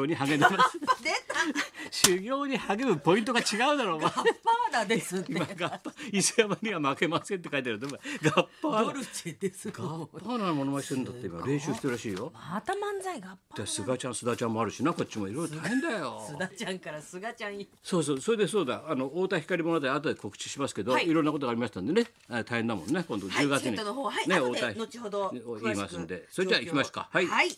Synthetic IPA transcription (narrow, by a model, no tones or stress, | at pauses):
oːɲ̟iɦaɡe̞nmasd̪et̪aɕɨɡʲo̞ːɲ̟ihaɡe̞mɯ̟po̞ĩnt̪o̞ɡat͡ɕiɡaɯd̪aɾo̞ːɡapːad̪ad̪esɨimaɡapːaisɨamaɲʲiβamake̞masent̪ːe̞kait̪eaɾɯd̪omaɡapːaɾɯd̪esɡapːanamo̞noai̥t̪eɾɯ̃nd̪at̪ːeḭma̰ɾẽ̞ɰ̃ɕɨːɕi̥t̪eɯɾaɕiːjo̞t̪amãnd͡zaiɡapːad̪asɨɡat͡ɕãɰ̃sɨd̪at͡ɕãmːo̞aɾɯ̟ɕinako̞t͡ɕ̚t͡ɕːimo̞iɾo̞iɾot̪ʰaẽnd̪ajo̞̰ɨd̪at͡ɕãŋkaɾasɨɡat͡ɕã | so̞ːs̬oːso̞ɾe̞d̪e̞s̬o̞ːd̪aano̞oːt̪açʲi̥kaɾʲimo̞not̪aiat̪̬od̪eko̞kɯ̟̥t͡ɕi̥ɕimasɨ̥ke̞d̪o̞iɾonːakot̪oaːɾʲimaɕi̥t̪and̪ene | t̪ʰaihend̪amõ̞nːekõnd̪od͡ʑɨːɡat͡sɨɲioaine̞oːt̪anot͡ɕihod̪ooiːmasɨ̃nd̪e̞soɾed͡ʑaikimaso̥ka̰haiai